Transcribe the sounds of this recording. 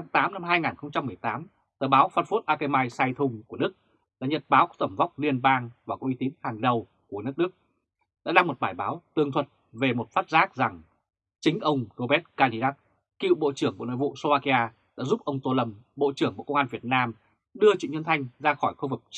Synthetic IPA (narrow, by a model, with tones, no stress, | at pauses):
a˨˦t̪aː˨˦mna˧mɦaː˧jŋaː˨˩nxə˧wŋ͡mt͡ɕa˧mːɨ˨˩əjt̪aː˨˦m | t̪əː˨˩ɓaː˨˦wfaː˧˩nfu˦˥t̚ʔaː˧ke˧maː˧jsaː˧jt̪ʰʊ˧ŋ͡mku˧˩əɗɨ˦˥k̚ | ɗa̰ː˧˥ɲə˨˩t̚ɓaː˨˦wkɔ˨˧˦t̪ə˧˩mva˦˥wk͡p̚li˧ənɓaː˧ŋvaː˨˩kɔ˨˦˥ʔi˧˦t̪i˨˦ənhaː˨˩ŋɗə˨˩w | ku˧˩ənɨ˦˥ək̚ɗɨ˦˥ək̚ | ɗa̰ː˧˥ɗaː˧ŋmo˨˩t̚ɓaː˧˩jɓaː˨˦wt̪ɨ˨˩əŋt̪ʰwə˨˩t̚ | ve˨˩mo˨˩t̚faː˦˥t̚zaː˦˥k̚za˨˩ŋ | t͡ɕï˨˦ŋ̟ʔə˧wŋ͡mzo˧ɓɛ˦˥t̚kaː˧li˧ɗaː˦˥t̚ | kḭ˧˨wɓo̰˧˨t͡ɕɨ˧˩əŋɓu˧˩no̰˧˨vṵ˧˨so˧vaː˧ki˧ʔaː˧ | ɗa̰ː˧˥zu˦˥p̚ʔə˧wŋ͡mt̪o˧lə˧mɓo̰˧˨t͡ɕɨ˧˩əŋɓṵ˧˨kə˧wŋ͡mʔaː˧nvi˨˩ət̚naː˧m | ɗɨ˧ət͡ɕwḭ˧˨ɲə˧nt̪ʰa˧jŋ̟zaː˧xɔ˧˩jxu˧vɨ˨˩k̚